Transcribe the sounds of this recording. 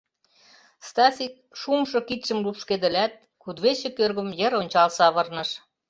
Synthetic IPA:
st̪ɑsʲik̚ | ʃumʃɤ̆kit̪ʃə̆mlupʃked̪ə̆læt̪̚ | kud̪βet͡ɕĕkørɣə̆mjə̆ɾonʲt͡ɕɑlsɑβɤrnɤ̆ʃ

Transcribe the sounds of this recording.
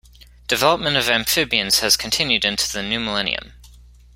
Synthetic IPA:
d̥ɨvɛlˠəp̚mə̃ntʌvæ̃ɱfɪbiɨ̃nz̥ɨz̥kʰntʰɪ̃njʉɾɪ̃ntʰʉðɨnjʉməlɛ̃nḭɨ̰̃m

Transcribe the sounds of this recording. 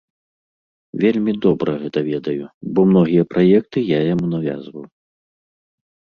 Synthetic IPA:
vʲelʲmʲid̪ɔbɾɐɣɛt̪ɐvʲɛd̪ɐjubɔmnɔɣʲijɐpɾajɛk̚t̪ɨjajamunavʲa̰zvɐw

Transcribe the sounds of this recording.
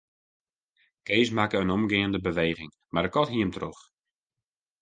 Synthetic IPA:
keːsmakəənɔmɡɪːəndəbəʋeːɣɪŋ | madəkɔtɦiəmtrox

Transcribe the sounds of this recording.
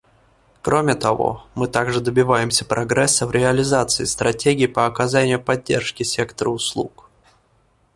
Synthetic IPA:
kɾomʲɪt̪ɐvo̰mɨt̪aɡʐɨd̪əbʲɪvajɪmsʲəpɾʔɐɡɾɛsːəvɾʲɪɐlʲɪzat̪sɨɪst̪ɾʔɐtʲeɡʲɪːpəɐkɐzanʲɪjʊpɐdʲːḛrʂkʲɪsʲe̞kt̪əɾəʊslˠṵk

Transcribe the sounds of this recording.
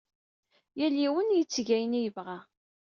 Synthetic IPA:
jæliwənjət͡sːʝæjənijəvʁa

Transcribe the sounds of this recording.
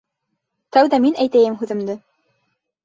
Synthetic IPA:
t̪æwðæminæjt̪æjɘmɦʉðɘ̆md̪ɘ

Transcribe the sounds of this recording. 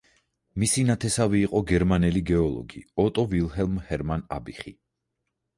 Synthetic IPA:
misinat̪ʰɛsaviːqʼɔɡɛɾmanɛliɡɛɔlˠɔ̰ɡiɔt̪ʼɔvilˠɦɛlˠmhɛɾmanabiχi

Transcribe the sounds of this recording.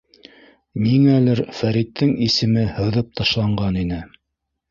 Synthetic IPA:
niŋælɘɾfæɾit̪ʰːɘŋisɘ̆mɘhɤ̆ðɤp̚t̪ʰɑʃlˠɑɴɢɑninɘ

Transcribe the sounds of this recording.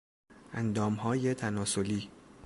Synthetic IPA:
ʔænd̪ɒːmɦɒːjet̪ʰænɒːsoliː

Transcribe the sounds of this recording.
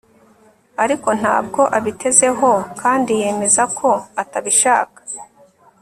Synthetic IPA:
aɾiko̞n̥ha̰ːb̚ɡo̞ʔaβitʰe̞ze̞ɦo̞kʰaːndije̞ːme̞zakʰo̞ataβiʃa̰ːkḁ

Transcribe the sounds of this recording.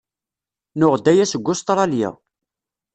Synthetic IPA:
nʊʁd̪æjæsəɡʷːʊst̪ɾˤɑljɪ̰

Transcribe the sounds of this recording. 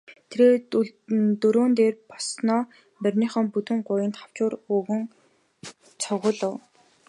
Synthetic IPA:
t̪ʰeɾeː | t̪ɵɾoːnt̪eːrpɔsnɔː | pærʲniːχə̆mput̪ɘ̆ŋɢʊjɪ̆nt̪χaw̥t͡ɕʊːruɣɘ̆ŋ | t͡sʰɔʁʊːɮə̆w

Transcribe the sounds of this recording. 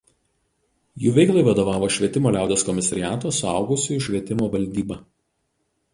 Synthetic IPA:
juːʋʲɛɪklˠɐɪʋɐd̪oːʋɑːʋoːʃʲʋʲiɛt̪ʲɪmoːlʲæˑʊd̪ʲoːskɔmʲɪsɐɾʲɪjæːt̪oːsʊɑ̰ˑʊɡʊsʲʊjʊʃʲʋʲiɛt̪ʲɪmoːʋɐlʲd̪ʲiːbɐː

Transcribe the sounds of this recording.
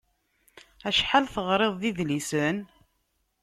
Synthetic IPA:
æʃħalθəʁɾˤeðˤðiðlisən

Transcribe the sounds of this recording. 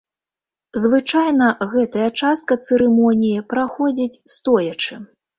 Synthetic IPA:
zvɨt͡ʂajnɐɣɛt̪ɐjɐt͡ʂast̪̚kɐt̪sɨɾɨmɔnʲijipɾaxɔd͡zʲit͡sʲst̪ɔjɐt͡ʂɨ

